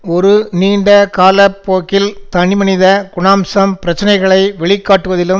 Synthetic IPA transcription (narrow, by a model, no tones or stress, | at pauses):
ɔɾɯniːɳɖɐkaːlɐpːoːkːɪlt̪ɐɳɪmɐnɪðɐɡʊɳaːmsɐmpɪɾɐt͡ʃːɪnɐɪɣɐɭɐɪʋɛɭɪkːaːʈːɯʋɐðɪlɯm